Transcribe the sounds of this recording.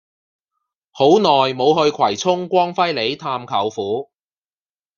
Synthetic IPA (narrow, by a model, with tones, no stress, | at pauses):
ho˨˥wnɔː˨jmo˨˧whɵ˧ɥkʰwɐ˨˩jt͡sʰʊ˥ŋkʷɔː˥ŋfɐ˥jle˨˧jt̪ʰaː˧mkʰɐ˨˩wfuː˨˥